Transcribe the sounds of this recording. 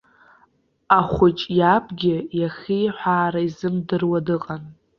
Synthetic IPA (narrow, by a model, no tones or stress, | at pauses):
aχʷʊt͡ʃʼjapʰʼɡʲɪjaχʲiħʷaːɾaizɨmdɨrwadɨqʼan